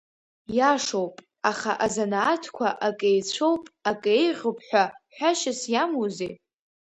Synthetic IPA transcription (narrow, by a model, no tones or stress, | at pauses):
jaʂowpʼ | aχa̰ʔazanaːtʰkʷʰaʔakʼejt͡ɕʷʰowpʼakʼejʁəpʰʼħʷᶣaħʷᶣaʃɪsjamuze